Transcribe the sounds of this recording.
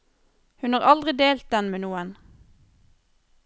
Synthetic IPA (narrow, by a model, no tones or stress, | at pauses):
hʉnɑːʁɑld̪ʁɪd̪eːlt̪̚d̪ɛnmeːnuːən